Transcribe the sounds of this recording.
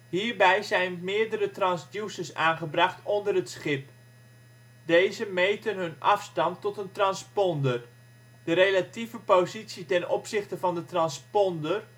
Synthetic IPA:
hiːɹbɛjzɛjnmɪːəɹdəɾətrɑnsdjusəsaːnχəbrɑχtʰondərətsχɪp̚ | dejzəmejtənɦɵnɑfstɑntːɔtəntrɑnspɔndər | d̥əɾelativəpozitsitɛnɔpsɪχtəvɑndətrɑnspɔndər

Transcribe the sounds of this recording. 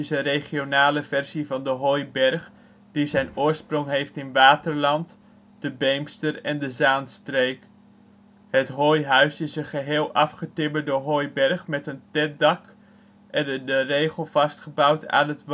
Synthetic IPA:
ɪsənreχionaːləvɛrzivɑndəɦojbɛɹχ | d̥izɛjnʊːɹsprʊŋɦejftɪnʋaːtəɹlɑnt | d̥əbejmstərɛndəzaːnstrejk | hətɦojɦœɥsɪsənχəɦeːlˠʔɑfχətɪbəɹdəɦojbɛɹχmɛtəntɛt̚dɑk | ʔɛnədərejχəlˠv̥ɑstχəbʌwta̰ːnət

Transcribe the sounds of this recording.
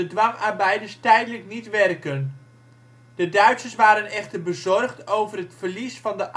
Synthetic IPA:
ədʋɑmaɹbɛjdəstɛjdələknitʋɛrkən | dədœɥtsəsʋaːɾənɛχtəɹbəzɔrχtowvərɦətfəɹlisfɑndəʔ

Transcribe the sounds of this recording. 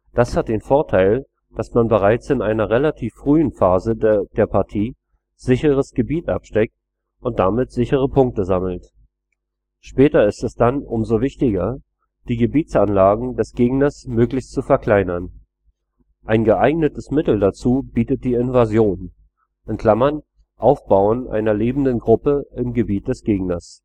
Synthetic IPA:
d̥ashat̚d̥eːnfoːɐtʰaɪl | d̥asmanbəʁaɪt͡sɪnʔaɪnɐʁelatʰiːfːʁ̥yːənfaːzəd̥eːɐpʰaɐtʰiː | z̥ɪçəʁ̞əsɡ̥əbiːtʔapʃtɛk̚t | ʔʊnt̚d̥amɪtz̥ɪçəʁ̞əpʰʊŋk̚təzaml̩t | ʃpɛːtɐɪstɛsd̥anʔʊmzovɪçtɪɡɐ | d̥iːɡəbiːt͡sʔanlaːɡŋ̩dɛsɡ̥eːɡnɐsmøːklɪçstt͡sufɛɐkʰl̥aɪnɐn | ʔaɪnɡəʔaɪɡnətəsmɪtl̩dat͡suːbiːtət̚d̥iːɪnvazjoːn | ʔɪnkʰl̥amɐn | ʔaʊfb̥aʊənʔa̰ɪnɐleːbm̩dənɡʁʊpəɪmɡəbiːt̚d̥ɛsɡ̥eːɡnɐs

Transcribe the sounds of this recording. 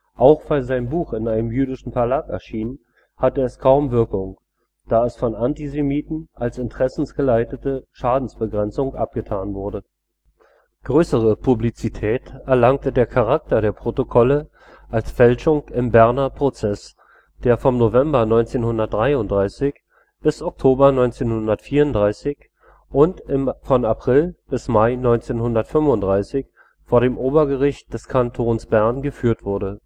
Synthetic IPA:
ʔaʊxv̥aɪlzaɪnbuːxɪnaɪnəmjyːɾɪʃn̩fɛɐlaːkɛ̰ɐʃiːnn | hatəɛskʰaʊmvɪɐkʊŋ | d̥aːɛsfɔnʔantizemiːtn̩ʔalsɪntəʁ̥ɛsn̩sɡ̥əlaɪtətəʃaːdn̩sb̥əɡʁɛnt͡sʊŋʔa̰p̚ɡ̥ətʰaːnvʊɐdə | ɡ̥ʁøːsəʁ̞əpʰublit͡sitʰɛːtɛɐlaŋk̚tədeːɐkʰaʁ̞ak̚tɐdeːɐpʁ̥otokʰɔlə | ʔalsfɛlʃʊŋɪmbɛɐnɐpʁ̥ot͡sɛs | d̥eːɐfɔmnovɛmbɐnɔʏnt͡seːnhʊndɐt̚d̥ʁaɪʊntd̥ʁaɪsɪç | b̥ɪsʔɔk̚tʰoːbɐnɔʏnt͡seːnhʊndɐtfiːɐʊntd̥ʁaɪsɪç | ʔʊntɪmfɔnapʁ̥ɪlb̥ɪsmaɪnɔʏnt͡seːnhʊndɐtfʏmvʊntd̥ʁaɪsɪç | foːɐɾeːmʔoːbɐɡəʁɪçt̚d̥ɛskʰantʰoːnsb̥ɛɐnɡəfyːɐtv̥ʊɐɾə

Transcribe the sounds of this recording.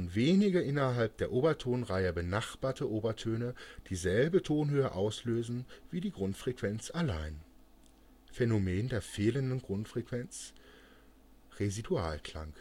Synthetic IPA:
nveːnɪɡɐʔɪnɐɦalp̚d̥eːɐʔoːbɐtʰoːnʁaɪəbənaχb̥aːɐtʰəʔoːbɐtʰøːnəd̥iːzɛlbətʰoːnɦøːəʔaʊsløːzn̩v̥iːdiːɡʁʊntfʁ̥ekv̥ɛnt͡sala̰ɪn | fenomeːndeːɐfeːləndənɡʁʊntfʁ̥ekv̥ɛnt͡s | ʁezidua̰ːlkl̥a̰ŋk

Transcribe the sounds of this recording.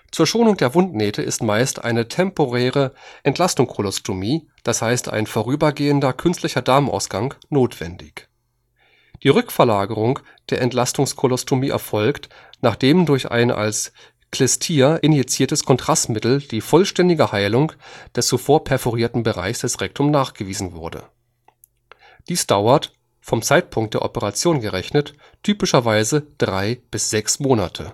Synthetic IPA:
t͡suːɐʃoːnʊŋdeːɐvʊntnɛːtʰəʔɪstmaɪstʔa̰ɪnətʰɛmpoʁɛːʁ̞əʔɛntlastʊŋkʰolɔstʰomiː | d̥ashaɪsta̰ɪnfoːʁyːbɐɡeːəndɐkʰʏnstlɪçɐdaːmənʔa̰ʊsɡ̥aŋnoːtv̥ɛ̰ndɪç | d̥iːʁʏkfɛɐlaːɡəʁʊŋ | d̥eːɐʔɛntl̥astʊŋskʰolɔstʰomiːʔɛ̰ɐfɔlkt | naːχd̥eːmdʊɐçʔa̰ɪnʔa̰ls | kl̥ɛstʰiːɐʔɪnjɛt͡siːɐtəskʰɔntʁ̥astmɪtl̩d̥iːfɔlʃtɛndɪɡəhaɪlʊŋd̥ɛst͡sufoːɐpʰɛɐfɔʁiːɐtn̩bəʁa̰ɪçsd̥ɛsʁɛk̚tʰʊmnaːχɡ̥əviːzn̩vʊɐdə̰ | d̥iːsd̥aʊɐt | fɔmt͡saɪt̚pʰʊŋkt̚d̥eːɐʔɔpəʁat͡sjoːnɡəʁɛçnət | tʰyːpɪʃɐvaɪzəd̥ʁaɪb̥ɪsz̥ɛksmoːna̰tʰə

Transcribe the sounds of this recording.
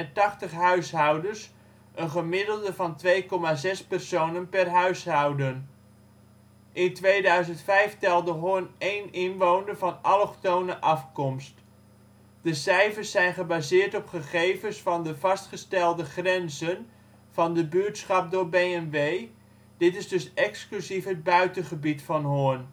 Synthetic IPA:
tɑχtəχɦœɥsɦɑwdəɹs | ʔənχəmɪdəlˠdəvɑntʋejkɔmaːzɛspɛrsownənpɛrɦœɥsɦɑwdən | ʔɪntʋejdœɥzəntfɛjftɛlˠdəɦʊnejnɪnʋownəɹvɑnɑlɔχtownəʔɑfkɔmst | d̥əsɛjfərsːɛjnχəbazɪːɹtɔpχəχejvəsfɑndəvɑstχəstɛlˠdəχrɛnzən | v̥ɑndəbyətsχɑp̚dʊːɹbejɛnʋej | dɪtɪzdɵsɛksklyzifɦəd̚bœɥtənχəbitfɑnɦʊən

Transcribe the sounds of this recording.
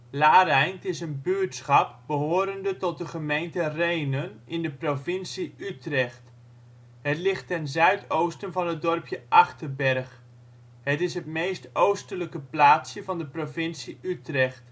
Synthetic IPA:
laːɾɛjntɪsənbyətsχɑp̚bəɦoːɾəndətɔt̚dəχəmejntərejnənɪndəprofɪnsiytrɛχt | ɦətlɪχtːɛnzœɥtʰowstənvɑnɦət̚dɔrpʰjəʔɑχtərbɛrχ | hətɪsɦətmejstowstələkəplaːtsjəvɑndəprofɪnsiytrɛχt

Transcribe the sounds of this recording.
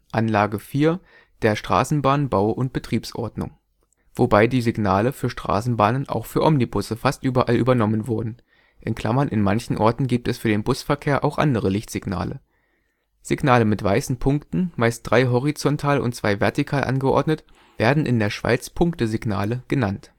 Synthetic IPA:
ʔanlaːɡəfiːɐ | d̥eːɐʃtʁ̥a̰ːsn̩baːnbaʊʔʊnt̚b̥ətʁ̥iːpsʔɔ̰ɐdnʊ̰ŋ | v̥obaɪdiːzɪɡnaːləfyːɐʃtʁ̥a̰ːsn̩baːnənʔa̰ʊxfyːɐʔɔmnibʊsəfastʔyːbɐʔaly̰ːbɐnɔmənvʊɐdn̩ | ʔɪnkʰl̥amɐnʔɪnmançn̩ʔɔɐtn̩ɡiːp̚tɛsfyːɐdeːnbʊsfɛɐkʰeːɐʔaʊxʔa̰ndəʁəlɪçtz̥ɪɡna̰ːlə̰ | z̥ɪɡnaːləmɪtv̥aɪsn̩pʰʊŋktn̩maɪst̚d̥ʁaɪɦɔʁ̞it͡sɔntʰaːlʔʊ̰ntt͡sv̥a̰ɪvɛɐtikʰaːlʔa̰nɡəʔɔ̰ɐdnət | v̥eːɐdn̩ʔɪ̰ndeːɐʃv̥a̰ɪt͡spʰʊŋktəzɪɡnaːləɡ̥ənant

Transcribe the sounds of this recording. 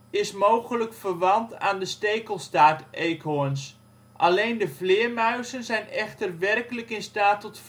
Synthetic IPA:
ɪsmowχələkfərʋɑnta̰ːndəstejkəlˠstaːtʔejkɦoəns | ʔalejndəvlɪːəɹmœɥzənzɛjnɛχtərʋɛrkələkɪnstaːtɔtf

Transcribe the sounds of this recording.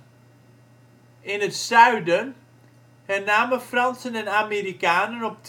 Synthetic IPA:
ɪnətsœɥdən | hɛnaːməfrɑnsənɛnaːmeːɾikaːnənɔp̚t

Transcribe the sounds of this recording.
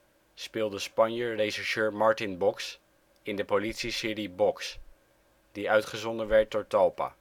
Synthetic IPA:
spɪːlˠdəspɑnjəreʃɛʃøːɹmɑɹtɪnbɔks | ɪndəpolitsisɪːribɔks | d̥iœɥtχəzɔndənʋɛɹt̚dʊːɹtɑlˠpa̰ː

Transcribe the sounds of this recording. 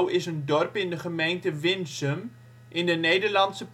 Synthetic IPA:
wɪsəndɔrpɪndəχəmejntəvɪnsəm | ʔɪndəneːdərlɑntsəp

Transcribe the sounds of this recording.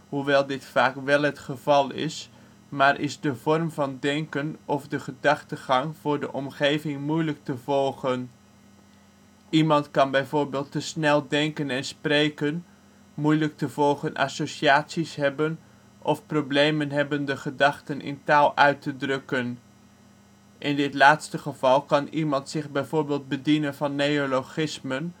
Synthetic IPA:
huʋɛlˠdɪtfaːkʋɛlˠɦətχəv̥ɑlˠɪ̰s | maːɹʔɪ̰zdəvɔrmvɑndɛŋkənɔvdəχədɑχtəχɑŋv̥ʊːɹdəʔɔmχejvɪŋmujlək̚təvɔlˠχən | imɑntkɑnbɛjvʊːɹbeːlˠtəsnɛlˠdɛŋkənɛnsprejkən | mujlək̚təvɔlˠχənʔɑ̰soʃiaːtsisɦɛbən | ʔɔfproblejmənɦɛbəndəχədɑχtənʔɪ̰ntaːlˠʔœɥtədrɵkən | ʔɪndɪtlaːtstəχəv̥ɑlˠkɑnimɑntsɪχbɛjvoːɹbeːlˠd̚bədinənvɑnːejoloχɪsmən

